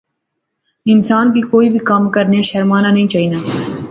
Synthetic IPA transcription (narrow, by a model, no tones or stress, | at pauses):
ɪnsaːnk̬ikoːibʱikɐmkəɾneʃɐɾmaːnanɐɦĩːt͡ʃaːɦiːnaː